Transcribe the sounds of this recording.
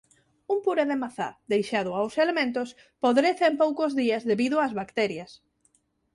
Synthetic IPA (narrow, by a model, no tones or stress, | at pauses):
umpuɾeðemaθa̰ðejʃað̞ʊawselemẽnt̪ʊs | poðɾeθeempowkozðiɐzðeβiðʊazβakt̪ɛɾjɐs